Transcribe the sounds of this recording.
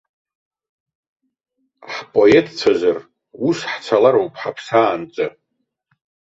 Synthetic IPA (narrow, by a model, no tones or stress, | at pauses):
ħpʼo̞etʼt͡sʷʰazar | usħt͡sʷʰalaɾowpʼħapʰsaːnt͡sʼɨ